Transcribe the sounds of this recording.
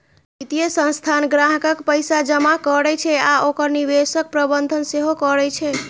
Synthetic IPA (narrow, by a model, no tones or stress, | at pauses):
nit̪ijəsə̃nst̪ʰanɡɾaɦkəkpəjsad͡ʒəmakɔɾɛt͡ʃʰɛaʔokəɾnibesək̚pɾəbənd̪ʱənseɦokɔɾɛt͡ʃʰɛ